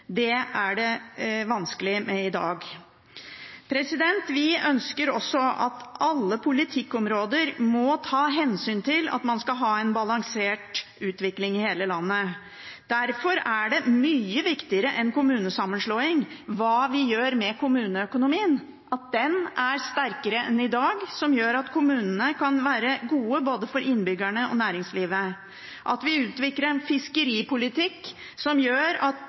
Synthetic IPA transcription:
d̪ɛæɖɛʋɑnskəlɪmɛɪd̪ɑːɡ | pʰɾɛsɪd̪ɛnt̪ʋɪœnskəɾɔ̰sːɔɑ̰t̪ɑlːəpʰʊlɪt̪ʰɪkːɔmɾoːd̪əɾmɔt̪ʰɑːɦɛnsyːnt̪ʰɪlɑ̰t̪mɑnskɑɦɑːɛnbɑlɑŋseːʈ | ʉːt̪ʋɪklɪŋɪheːləlɑnːə | d̪̥æɾfɔɾæɖɛmyːəʋɪkt̪ɪəɾəʔɛnkʊmʉːnəsɑmːənʂloːɪŋʋɑːʋɪjøːɾmɛkʰʊmʉːnəœkʊnʊmiːən | ʔɑt̪̚d̪ɛnæɾst̪æɾkəɾəɛ̰nɪd̪ɑːɡsɔmjøːɾɑt̪kʰʊmʉːnənəkʰɑnʋæːɾəɡuːəboːd̪əfɔɾʔɪnbʏɡæɳəɔ̰næːɾɪŋsliːʋə | ʔɑ̰t̪ʋɪʉːt̪ʋɪkɾəɾnfɪskəɾiːpʊlɪt̪ʰɪkː | sɔmjøːɾɑt̪

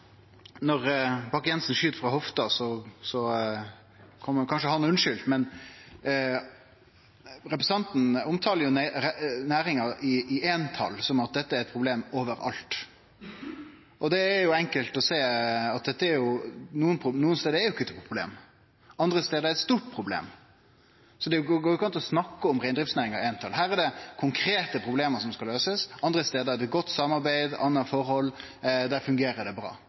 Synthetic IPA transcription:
nɔɾbɑːkjɛnsn̩ʃyːt̪fɾɑhɔft̪ɑsɔsɔ | kʰɔmːkʰɑnʃəhɑnʉnʃʏlt̪mɛn | ɾɛpɾɛsɑnt̪n̩ɔmt̪ʰɑːləɾjʊ | næːɾɪŋɑɪɪeːnt̪ʰɑ̰lsɔmɑt̪̚d̪ɛt̪ːəæɾɛt̪̚pʰʁʊbleːmoːʋəɾɑ̰lt̪ | ʔɔd̪ɛːɾjʊɛŋkəlt̪ɔseːɑt̪̚d̪ɛt̪ːəæɾjʊnuːənpʰʊnuːənst̪eːd̪əɛɾjʊɪkːət̪pʰɾʊblḛːm | ʔɑnd̪ɾəst̪eːd̪əɛɾɛt̪st̪uːʈ̚pʰɾʊblḛːm | sɔd̪ɛæjʊɡɡoːkʰɑnt̪ɔsnɑkːəɔmʁæɪnd̪ɾɪftsnæːɾɪŋɑɾæɪnt̪ʰɑlɦæːɾæd̪ɛkʰʊŋkʰɾeːt̪əpʰɾʊbleːməʂɔmskɑløːsəsʔɑnd̪ɾəst̪eːd̪əɛd̪ɛt̪̚ɡɔt̪ːsɑmːɑɾbæɪd̪ɑ̰nːɑfɔɾhɔlː | d̪æɾfʉŋɡeːɾəd̪ɛbɾɑ̰ː

